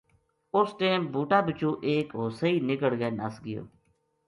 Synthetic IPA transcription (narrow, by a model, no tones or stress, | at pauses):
ʊsʈeːmbʱuːʈaːbɪt͡ʃũːʔeːkɦoːsəiːnɪkəɽɡeːnəsɡəjo̰ː